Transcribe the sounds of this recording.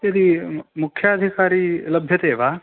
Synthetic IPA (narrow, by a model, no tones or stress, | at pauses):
jɐd̪imʊkʰːjɐːd̪ʱikaːɾilɐbʱjɐt̪eːʋaː